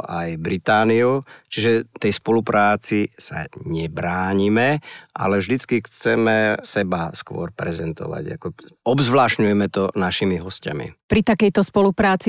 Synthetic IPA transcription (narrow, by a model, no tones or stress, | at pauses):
ajbɾit̪aːniut͡ʃiʒɛt̪ɛjspɔlupɾʔaːt͡sisa̰ɲɛbɾaːɲimɛʔa̰lɛvʒd̪it͡skixt͡sɛmɛsɛbaskʋʊɔ̰ɾpɾɛzɛnt̪ɔ̰ʋa̰ɟa̰kɔɔbzʋlaːʃɲujɛmɛt̪ɔnaʃimiɦɔsca̰mḭpɾit̪akɛjt̪ɔspɔlupɾaːt͡si